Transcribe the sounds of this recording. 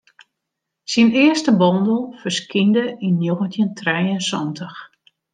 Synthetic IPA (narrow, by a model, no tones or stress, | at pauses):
sinɪəstəbɔndəlˠfərskindəinːjoɣəntjəntʰrɛjənsɔntʰəx